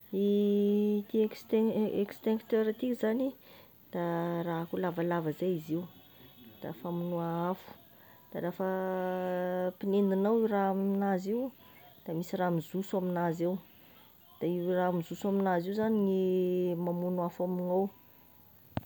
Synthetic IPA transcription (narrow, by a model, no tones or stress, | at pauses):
i | t̪ikst̪ekst̪eŋkt̪øɾat̪ikʲizani | d̪̥araɦakulavalavəzajiziu | d̪̥a̰famunuaafu̥ | d̪̥aɾafə | pinend̪inawiwraamminaziw | d̪̥amisiɾamizusuaminazew | d̪̥aiwramizusuaminaziwzaniŋimamunuafaminaw